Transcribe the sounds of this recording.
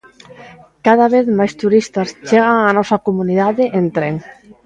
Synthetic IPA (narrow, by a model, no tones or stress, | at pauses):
kaðaβeθmajst̪uɾist̪ast͡ʃeɣaŋanɔsakomunið̞aðeʔent̪ɾeŋ